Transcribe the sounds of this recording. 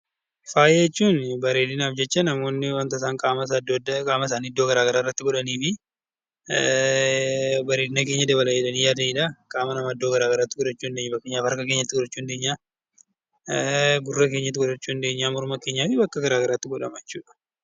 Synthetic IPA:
faːjeɛt͡ʃːuːnbɐɾe̞ːd̪ɪnaːfd͡ʒɛt͡ʃːɐnɐmo̞ːnːɪwɐnt̪ɐɪs̬aːŋkʼaːmɐsd̪kʼaːmɐs̬aːnɪd̪ːoːɡɐɾaːɡɐɾaːrːɐt̪ːɪɡɔᶑɐniːfɪ | bɐɾeːd̪ɪnɐk̬eːɲːɐd̪ɐβɐlɐɛᶑɐniːjaːd̪ɐnɪᶑɐkʼaːmɐnɐmaːd̪ːo̞ːɡɐɾaːɡɐɾaːt̪ːɪɡɔᶑɐt͡ʃːuːnd̪eɲːɐbɐkːeːɲːaːfɐɾkɐkeːɲːɐt̪ːɪɡɔᶑɐt͡ʃːuːnd̪eːɲːaː | ɡʊrːɐke̞ːɲːɐt̪̬ːɪɡɔᶑɐt͡ʃːuːnd̪e̞ːɲːaːmʊɾʊmɐke̞ːɲːaːfɪbɐkːɐɡɐɾaːɡɐɾaːt̪ːɪɡɔᶑɐmɐjɛt͡ʃːuːᶑɐ̥

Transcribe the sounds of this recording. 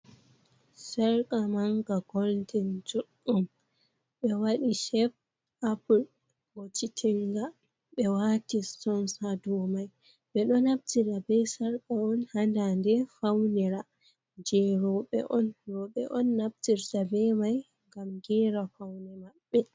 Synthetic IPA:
sɛɾkʼamaŋɡaɡ̥ɔldɛnd͡ʒuɗːum | ɓɛwaɗiʃɛf | ʔapul | wotitʰiŋɡa | ɓɛwatistɔnsadɔmaj | ɓɛɗɔnab̚tiɾabɛsɛɾkaɔnhandandɛfawnɛɾa | d͡ʒɛɾɔɓɛ̰ʔɔnɾɔɓɛ̰ʔɔnːab̚tiɾtabɛmaj | ŋɡamɡɛɾafawnɛmaɓːɛ

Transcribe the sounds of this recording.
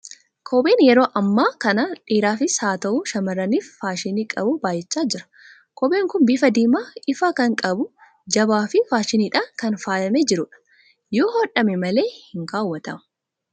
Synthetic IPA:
kʰoːbe̞ːnjɛɾo̞ːʔɐmːaːkɐnɐᶑiːɾaːfɪsaːt̪ɐʔuːʃɐmɐrːɐniːfːaːʃɪniːkʼɐbʊbaːjːɛt͡ʃːaːd͡ʒɪɾɐ̥ | kʰɔbeːŋkʊnbɪfɐd̪iːmaːɪfaːkɐŋkʼɐbʊ | d͡ʒɐbaːfɪfaːʃɪniːᶑaːŋkɐnfaːjɐmɛd͡ʒɪɾʊᶑɐ̥ | joːhoːᶑɐmɛmɐle̞ːhɪŋkaːwːɐt̪ɐmɐ̥

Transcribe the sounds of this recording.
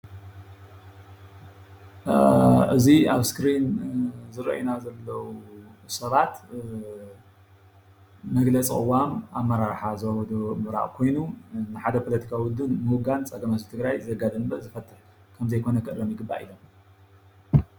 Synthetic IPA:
ɨzia̰βskɾinzɨɾɐ̰ʔinazɐlːɐwusɐβat̪ | mɐɡlɐt͡sʼḭkʼɨ̰wamaβmːɐɾaɾħazɨwawɔd̪omɨɾa̰ʔʼkʰo̞jnunɨħad̪ɐpʰolɐt̪ʰi̥kʰawiwʊd̪ːɨnmɨwɡant͡sʼɐɡɐmat̪it̪ʰɨɡɾajzɐɡad̪ɐmbɐzɨfɐt̪ʰʼːɨħ | kʰɐmzɐjkʰo̞nɐkʰɨʔɾɐmjɪɡɨbːa̰ʔḭlo̞m

